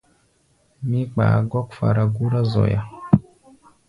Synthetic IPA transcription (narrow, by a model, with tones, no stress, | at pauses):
mi˦k͡pa̰˨˦ɡɔ˦kfa̰˨ɾa˨ɡu˦ɾa˦zɔ̰˨ja̰˨